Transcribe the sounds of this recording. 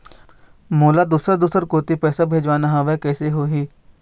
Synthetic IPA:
moːlad̪uːsɾəd̪uːsəɾkoːt̪ipɛːsabʱeːd͡ʒʋaːnaɦɐʋɛkɛːseɦoːɦiː

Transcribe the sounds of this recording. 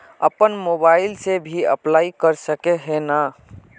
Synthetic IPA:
ə̰pənmobailsebʱiə̰plaikəɾsəkeɦena

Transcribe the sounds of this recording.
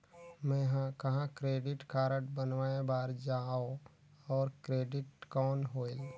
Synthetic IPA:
mɛ̃ɦãkɐɦãkɾeːɖɪʈkaːɾəʈbənʋaːebaːɾd͡ʒaːo | ɔːɾkɾeːɖɪʈkɔːnɦoːɪl

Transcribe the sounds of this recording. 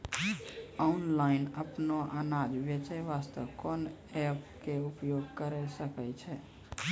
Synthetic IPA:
ɔnlaɪnəpnoʔanad͡ʒbet͡ʃəʋast̪əʋkɔn | ɛpkeupjoɡkəɾəsəkɛt͡ʃʰɛ

